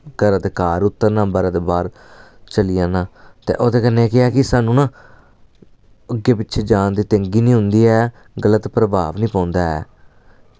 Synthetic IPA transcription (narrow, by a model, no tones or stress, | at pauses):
ɡəɾəd̪kaːɾʊt̪ːəɾnãːbəɾəd̪eːbaːɾ | t͡ʃəlɪjãːnãːt̪ḛːʔoːt̪eːkənːẽːkɪaːkɪsaːnũːnãː | əɡeːpɪtːt͡ʃʰʃʰeːd͡ʒãːnd̪iːt̪ə̃ŋɡiːnĩːɦʊnd̪iːɛː | ɡələt̪pɾəbaːʋnĩːpãːʊ̃nd̪aːɛ̰ː